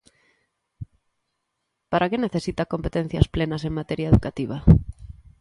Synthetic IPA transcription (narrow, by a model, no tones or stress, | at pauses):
paɾʔakeneθesit̪akompet̪en̟θjɐsplenɐseŋmat̪eɾjaeðukat̪iβa